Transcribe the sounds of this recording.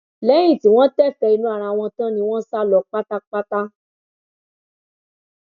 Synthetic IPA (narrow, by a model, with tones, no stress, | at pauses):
lɛ˨˦j̃ĩ˦˨ti˨˦w̃ɔ̃˦tɛ˦˨fɛ˧i˧nũ˦a˦˨ɾa˧w̃ɔ̃˧tã˦nĩ˧w̃ɔ̃˦sa˦lɔ˧˨k͡pa˦ta˦k͡pa˦ta˦